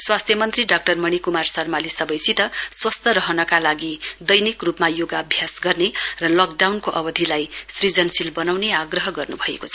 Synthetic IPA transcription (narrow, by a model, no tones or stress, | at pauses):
swast̪ʰjʌmʌnt̪riɖak̚ʈʌrmʌɽ̃ikumarsʌrmalisʌbʌjsit̪ʌswʌst̪ʌɾʌɦʌnʌkalaɡid̪ʌjnikrupmajoɡaʌbʱjasɡʌrnerʌlʌk̚ɖawnkoʔʌbʌd̪ʱilajsrid͡zʌnsilbʌnawneaɡrʌɦʌɡʌrnubʱʌḛkot͡sʰʌ